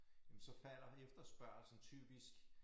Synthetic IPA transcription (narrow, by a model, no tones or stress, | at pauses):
jemn̩sɒ̽fæl̰ɐefd̥ɐsb̥ɶɐ̰lsn̩t͡sʰy̰ːb̥isɡ̥